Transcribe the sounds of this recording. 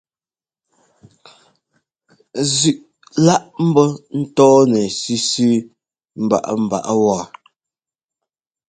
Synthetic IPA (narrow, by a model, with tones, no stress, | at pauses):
zʉ˨ʔ | la˦ʔm̩˦bɔ˦n̩˦tɔː˦nɛ˨si˦si˦ | m̩˨ba̰˦˨ʔa̰˦m̩˨ba̰˨ʔa˦wɔː˨